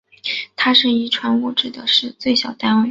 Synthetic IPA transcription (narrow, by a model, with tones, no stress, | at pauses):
t̪ʰa˥ʂə˥˩i˧˥ʈ͡ʂʰwa˧˥nu˥˩ʈ͡ʂɻ̩˥˩d̪ə˩ʂɻ̩˥˧t͡swe˥˩ɪɕjɑ˨˩ʊt̪a˥nwe˥˩